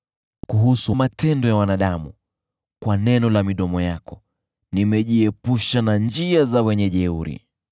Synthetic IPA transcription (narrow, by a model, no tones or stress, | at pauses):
kuɦusumatɛndɔjawanaɗamu | kwanɛnɔlamiɗɔmɔjakɔ | nimɛʄiɛpuʃanand͡ʒiazawɛɲɛʄɛuɾḭ